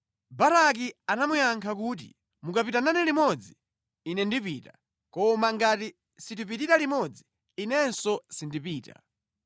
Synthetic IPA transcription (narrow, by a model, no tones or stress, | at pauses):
baɾak̬ianamujaŋkʰakuːt̬ḭ | mukapitananɛlimɔd͡ziː | nɛndipiːta | kɔmaŋɡati | sit̬ip̬ititalimɔd͡ziː | nɛnsɔsindipiːta̰